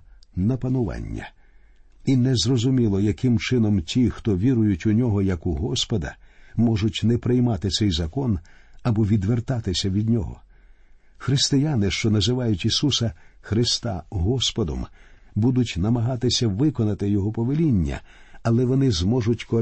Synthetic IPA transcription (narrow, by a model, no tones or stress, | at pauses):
nɐpɐnʊʋɑ̰nʲːɐ̰ | inɛzrɔzʊmʲilˠɔjɐkɪmt͡ʃɪnɔmtʲixt̪ɔʋʲiɾʊjʊtʲʊnʲɔɦɔjɐkʊɦɔspɔd̪ɐ̰mɔʐʊtʲnɛpɾɪjmɑt̪ɪt̪sɛjzɐkɔn | ɐbɔʋʲid̪ʋert̪ɑt̪ɪsʲɐʋʲid̪ʲnʲɔɦɔ̰ | xɾɪst̪ɪjanɪʃt͡ʃɔnɐzɪʋɑjʊtʲisusɐxɾɪst̪ɑ̰ɦɔspɔd̪ɔ̰m | bud̪ʊtʲnɐmɐɦɑt̪ɪsʲɐʋɪkɔnɐt̪ɪjɔɦɔpɔʋelʲinʲːɐ̰ɐlˠɛʋɔnɪzmɔʐʊtʲkɔ